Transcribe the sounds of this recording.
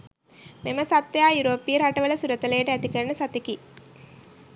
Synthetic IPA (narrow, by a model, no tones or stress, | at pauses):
meməsat̪ːjaːjuɾoːpːijəɾaʈəʋələsuɾət̪əlejəʈəæt̪ikəɾəɳəsat̪eki